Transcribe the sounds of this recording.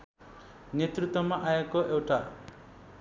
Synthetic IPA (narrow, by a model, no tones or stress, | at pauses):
net̪rut̪wʌmaʔaekoʔewʈa